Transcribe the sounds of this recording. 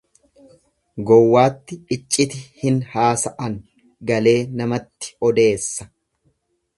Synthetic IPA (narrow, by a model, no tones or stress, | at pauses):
ɡɔwːaːt̪ːɪɪt͡ʃʼːɪt̪ɪhɪnhaːsɐʔɐŋ | ɡɐle̞ːnɐmɐt̪ːɪ̥ɔd̪e̞ːsːɐ̥